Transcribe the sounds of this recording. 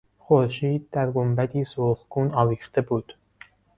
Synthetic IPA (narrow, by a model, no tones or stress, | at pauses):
xoɾʃiːd̪̚d̪æɾɡombæt̪ʰiːsoːχɡuːnɒːviːxt̪e̞buːd̪̥